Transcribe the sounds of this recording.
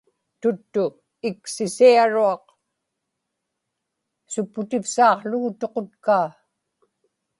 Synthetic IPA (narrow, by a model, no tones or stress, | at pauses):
t̪ʊt̪ːʊ | ɪksɪsiaɻuɑq | sʊpːʊt̪ɪfsɑːqɬʊɣʊt̪o̞qot̪kaː